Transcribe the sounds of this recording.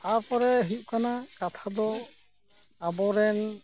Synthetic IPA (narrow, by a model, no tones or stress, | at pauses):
apɔɾɛɦut̚kanakat̪ʰad̪ɔ | abɔɾɛn